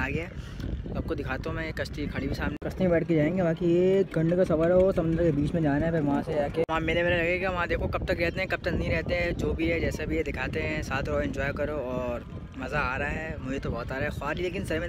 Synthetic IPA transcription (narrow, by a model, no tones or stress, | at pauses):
aːɡɪjaɦɛsɐb̚kod̪ɪkʰaːt̪õmẽkɐʃt̪ikʰɐɽ̃ibʱisaːmnekɐst̪ibɛːʈked͡ʒaːẽːŋɡebaːkijekɐ̃ɳɖkasɐfəɾosɐmə̃nd̪əɾkebiːt͡ʃmẽd͡ʒaːnaɦɛpʰɪɾʋɐɦãsed͡ʒaːkeʋɐɦãmeːɾebeːɾelɐɡeɡaʋɐɦãd̪eːkʰokɐb̚t̪ɐkɾɛɦt̪eɦɛ̃kɐb̚t̪ɐknɐɦĩɾɛɦt̪eɦɛ̃d͡ʒoːbʱiɦɛd͡ʒɛːsebʱied̪ɪkʰaːt̪eɦɛ̃saːt̪ʰɾɔːɪ̃ɲd͡ʒɔːɪjkɐɾoɔːɾ | mɐzaaːɾɐaɦɛːmʊd͡ʒʱet̪obɔːt̪aːɾaɦɛxʊaːɾileːk̬ɪ̃nsɐɾmẽ